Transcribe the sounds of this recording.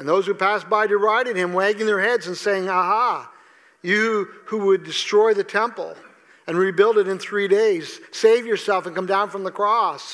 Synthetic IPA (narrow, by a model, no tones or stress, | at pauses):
ɨ̃nðoʊz̥hupʰæsb̥aɪdə˞aɪɾɨd̚ɨ̃mwæɡɪ̃ŋðə˞hɛdzɨ̃nseɪɪ̃ŋəhɑ | jɨhuwədɨstɹ̥ɔɪðɨtʰɛ̃mpl̩ˠ | ɨ̃nɹibɪlˠdɨɾɨ̃nθɹideɪz̥seɪvjə˞sɛlˠfə̃nkʌ̃mdãʊ̃nfɹʌ̃mðəkʰɹ̥ɔs